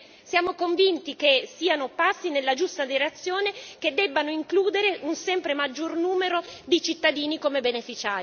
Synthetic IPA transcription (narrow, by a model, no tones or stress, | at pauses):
sjaːmokoɱvint̪ikesːiːanopasːinelːad͡ʒust̪ad̪iɾat̪sːjoːneked̪ːɛbːanoiŋkluːd̪eɾeʔunsɛmpɾemad͡ʒːornuːmeɾod̪it͡ʃit̪ːad̪iːnikomebenefit͡ʃaːɾ